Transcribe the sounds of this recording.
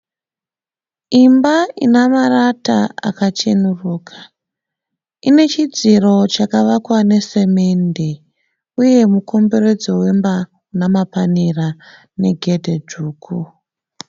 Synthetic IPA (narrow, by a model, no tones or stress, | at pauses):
imbainamaɾata̰a̰kat͡ʃenuruːkʰḁ | ine̞t͡ʃid͡ziro̞t͡ʃakaʋakwane̞se̞me̞nde̞ | uje̞muko̞mbe̞re̞d͡zo̞we̞mba | namapanira | ne̞ɡʱe̞dʱe̞d͡ʒʱuːkʰu